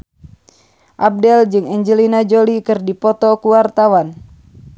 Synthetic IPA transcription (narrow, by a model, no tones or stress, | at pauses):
ʔab̚dɛld͡ʒɨŋɛɲd͡ʒəlinad͡ʒolikɨrdipɔt̪ɔkuwart̪awan